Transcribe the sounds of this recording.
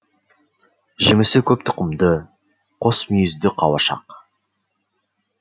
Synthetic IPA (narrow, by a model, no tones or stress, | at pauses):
ʒɪmɪsɪkʲʰɵp̚t̪ʰʊ̥qəmd̪ə | qʰo̞smijɪzd̪ɪqʰɑwɑʃɑ̰q